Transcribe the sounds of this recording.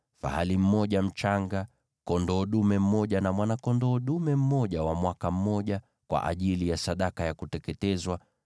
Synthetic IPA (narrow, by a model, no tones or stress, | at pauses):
fa̰halim̩mɔʄam̩t͡ʃaŋɡa | kɔndɔɗumɛm̩mɔʄanamwanakɔndɔːɗumɛm̩mɔʄawamwakam̩mɔʄa | kwa̰ʔa̰ʄilijasaɗakajakutɛkɛtɛzwa